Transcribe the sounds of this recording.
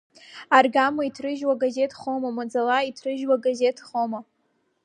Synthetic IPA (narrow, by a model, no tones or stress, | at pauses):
arɡamaitʰrɨʒwaɡaze̞tʰχomamad͡zalaitʰrɨʒwaɡaze̞tʰχoma